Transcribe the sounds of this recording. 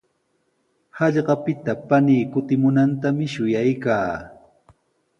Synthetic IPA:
hɑʎɢɑpɪt̪apaniːkʊt̪ɪmʊnant̪amɪʃʊjajkaː

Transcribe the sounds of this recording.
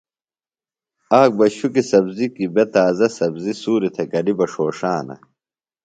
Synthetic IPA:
aːk̚bɐɕukisɐbzikibet̪aːzɐsɐbzisuːɾit̪ʰɐɡɐlibɐʂoːʂaːnɐ̰

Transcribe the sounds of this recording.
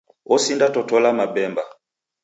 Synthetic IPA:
ɔsindatɔtɔlamabɛmba

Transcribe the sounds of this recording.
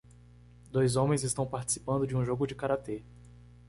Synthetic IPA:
d̪ojzõmẽj̃zɪst̪ɐ̃w̃paɾt͡ʃi̥si̥pɐ̃nd̪ʊd͡ʒɪũʒoɡʊd͡ʒɪkaɾat̪e

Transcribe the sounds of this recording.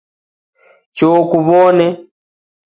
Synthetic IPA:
t͡ʃokuβɔnɛ

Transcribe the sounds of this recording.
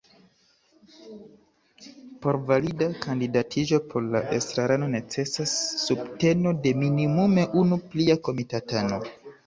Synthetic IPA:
po̞ɾvalidakandidatʰiʒo̞pʰo̞ɾlaʔe̞̰stɾaɾano̞ne̞t͡se̞sasːubte̞no̞de̞minimume̞ʔunupliako̞mitatano̞

